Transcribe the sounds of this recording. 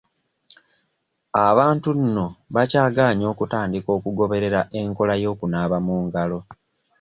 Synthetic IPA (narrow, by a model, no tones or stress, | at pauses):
aβaːntunːo̞βacaːɡaːɲo̞ːkutaːndiko̞ːkuɡo̞βe̞ɾe̞ɾaʔe̞ŋko̞lajo̞ːkunaːβamuːŋɡalo̞